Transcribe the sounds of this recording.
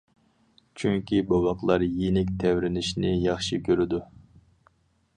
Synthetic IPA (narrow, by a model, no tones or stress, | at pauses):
t͡ʃʰyŋkʲʰibɑwɑqlˠɑɾjenɪkʲt̪ʰɛwɾɪnɪʃnɪjɑχʃikʲʰøɾɪd̪u